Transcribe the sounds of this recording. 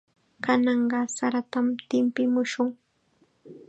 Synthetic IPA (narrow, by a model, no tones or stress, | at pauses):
kanɑɴɢɑsaɾat̪amt̪ɪmpɪmʊʃʊŋ